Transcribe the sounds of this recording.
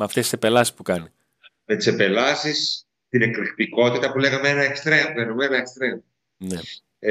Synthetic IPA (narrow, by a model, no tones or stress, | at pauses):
meɐft̪esi̥sepe̞lɐsi̥spukɐni | met̪i̥sepe̞lɐsis | t̪ine̞klixt̪iko̞t̪it̪ɐpuleɣɐmeenɐekst̪ɾemlenumenɐekst̪ɾe̞m | ne